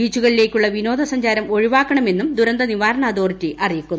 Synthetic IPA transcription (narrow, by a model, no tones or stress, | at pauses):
iːt͡ɕːuɣɐɭile̞ːkʲːuɭːɐʋino̞ːd̪ɐsɐɲd͡ʑaːɾɐmo̞ɻiʋaːkːɐɳɐme̞nːumd̪uɾɐnd̪ɐniʋaːɾɐɳɐːd̪o̞ːrtːiʔɐrijikʲːunː